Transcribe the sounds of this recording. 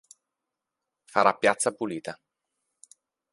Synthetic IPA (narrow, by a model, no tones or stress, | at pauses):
faɾapːjat̪sːapuliːt̪a